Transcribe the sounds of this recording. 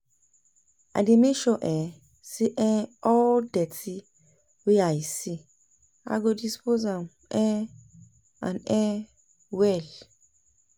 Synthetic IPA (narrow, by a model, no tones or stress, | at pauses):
a̰dimeʃɔʔɛ | siʔɛ̃ɔldɛtʰi | wiaisi | a̰ɡodispozam | ɛ | ã̰nɛ̃ | wɛl